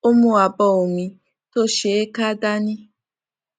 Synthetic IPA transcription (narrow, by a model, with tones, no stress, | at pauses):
o˦mũ˦a˨bɔ˧˨o˨mĩ˨ | to˦ʃe˨˦e˦ka˦da˦nĩ˦